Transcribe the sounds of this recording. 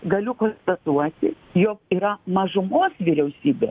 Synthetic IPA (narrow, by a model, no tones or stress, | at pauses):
ɡɐlʲʊkoːnst̪ɐt̪uɔt̪ʲɪ | joːkiːɾɐmɐʒʊmoːsʋʲiɾʲɛʊsʲiːbʲeː